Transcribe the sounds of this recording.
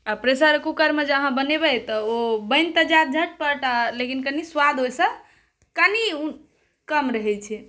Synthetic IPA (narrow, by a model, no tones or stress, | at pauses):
apɾesaɾkukəɾmed͡ʒeəɦãbənebɛjt̪ɔobəjnt̪əd͡ʒat̪̚d͡ʒʱəʈ̚pəʈalekinkəniswad̪ʱɦojsə̃ | kəni | kəmɾəɦɛt͡ʃʰɛ